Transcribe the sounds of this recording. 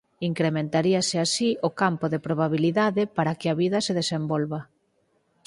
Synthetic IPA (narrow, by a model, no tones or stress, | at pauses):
iŋkɾemẽnt̪aɾiɐsɪasiokampʊðepɾoβaβiliðaðɪpaɾakɪaβiðɐseðesembolβa